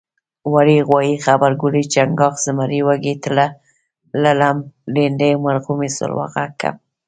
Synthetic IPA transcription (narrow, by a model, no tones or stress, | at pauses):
waɾiɣwɑjixabaɾɡʊlit͡ʃaŋɡɑxz̥ɪmaɾiwaɡet̪la | lalamlend̪emaɾɣumisʊ̰lwa̰ɣakʰa̰m